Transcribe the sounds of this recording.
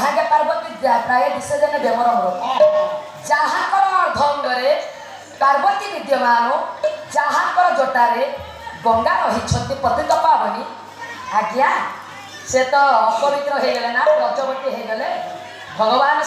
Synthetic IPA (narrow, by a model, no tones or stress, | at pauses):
ɦãɡepaɾbɔt̪id̪japɾajeb̪ised͡ʒɔnɔbɔmɔɾɔo | d͡ʒaɦankɔɾɔɔɾd̪ʱɔwnɡɔɾe | paɾbɔt̪ibid̪jɔmaũd͡ʒaɦankɔɾɔd͡ʒoʈaɾe | bɔŋɡaɾɔɦit͡ʃʰɔnt̪ipɔt̪it̪ɔpapɔni | ɦaɡia | set̪ɔːpɔbit̪ɾɔɦeɡɔlenabɔd͡ʒɔbɔt̪iɦejɡɔle | bʱɔɡɔbanɔ